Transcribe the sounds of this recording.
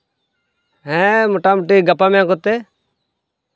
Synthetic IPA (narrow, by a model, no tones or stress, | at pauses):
ɦɛ̃moʈaːmʊʈiːɡəpːaːmãːkot̪eː